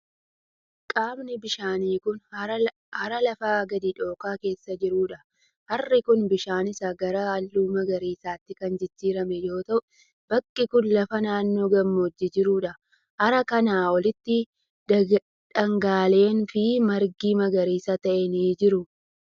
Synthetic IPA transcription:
kʼaːmnɪbɪʃaːniːkʊn | hɐɾɐlɐfaːɡɐd̪iᶑo̞ːkaːke̞ːsːɐd͡ʒɪɾuːᶑɐ | hɐrːɪkʊnbɪʃaːnɪsɐɡɐɾɐɐlːuːmɐɡɐɾiːsaːt̪ːɪkɐnd͡ʒɪd͡ʒːiːɾɐmɛjo̞ːt̪ɐʔʊ | bɐkʼːɪkʊnlɐfɐnaːnːo̞ːɡɐmːoːd͡ʒːɪd͡ʒɪɾuːᶑɐ | hɐɾɐkɐnaːɔlɪt̪ːɪ | ᶑɐŋɡaːle̞ːnfɪmɐɾɡiːmɐɡɐɾiːsɐt̪ɐʔɛniːd͡ʒɪɾʊ

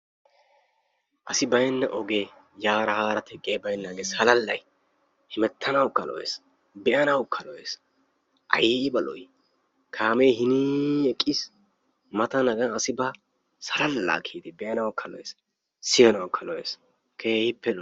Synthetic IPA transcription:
ʔɐsɪbɐjnːɐʔɔɡeː | jaːɾɐhaːɾɐt̪ʰɛkʼːeːbɐjnːɐɡesɐlɐlːɐj | hɪmɛt̪ʰːɐnɐwkːɐlɔ̰ʔḛːs | bɛʔɐnɐwkʰːɐlɔjeːs | ʔɐ̰jebɐlɔ̰j | kʰaːmejhɪniɛkʼːɪs | mɐt̪ɐnɐɡɐːsɪbɐ | sɐlɐlːa̰ːkʰiːd̪ɪbɛʔɐnɐwkʰːɐlɔ̰wḛːs | sɪjɐnɐwkʰːɐlɔwḛːs | kʰeːhɪpːɛl

